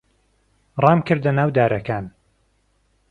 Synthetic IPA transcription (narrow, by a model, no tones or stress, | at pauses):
rˤɑːmkɨɾd̪ɐnaːwd̪aːɾʔɐkaːn